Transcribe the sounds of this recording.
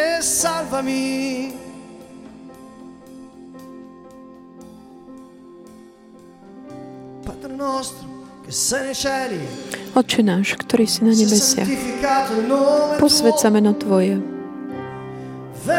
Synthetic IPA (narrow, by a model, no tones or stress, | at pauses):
salvami | pad̪ɾonɔst̪ɾokesːɛnɛjt͡ʃɛliɔt͡ʃɛnaːʃkt̪ɔɾiːsinaɲɛbɛsɪa̰ifikaːt̪onopɔsʋɛt͡samɛnat̪ʋɔjɛ | ve